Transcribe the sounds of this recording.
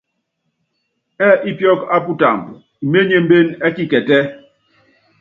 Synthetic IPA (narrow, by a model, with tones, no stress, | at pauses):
ɛ˦ʔi˦pjɔ˦ka˦pu˦ta̰˨mb | i˨me˦ɲe˦m̩˦be˦nɛ˦ki˦kɛ˨tɛ˦